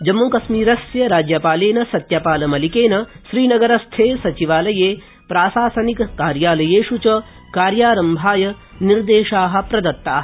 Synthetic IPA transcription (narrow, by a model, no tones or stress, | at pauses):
d͡ʒɐmːoːkɐsmiːɾɐsjɐɾaːd͡ʒjɐpaːleːnɐsɐt̪japaːlɐmɐlikeːnɐʃɾiːnɐɡɐɾɐst̪ʰeːsɐt͡ʃiʋaːlɐjeː | pɾaːsaːsɐnikkaːɾjaːlɐjeːʃut͡ʃɐ | kaːɾjaːɾɐmbʱaːjɐ | niɾd̪eːʃaːɦɐ̆pɾɐd̪ɐt̪ːaː